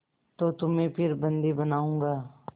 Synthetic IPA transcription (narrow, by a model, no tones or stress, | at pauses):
t̪ot̪ʊmẽpʰɪɾbɐ̃nd̪ibɐnaːũːŋɡaː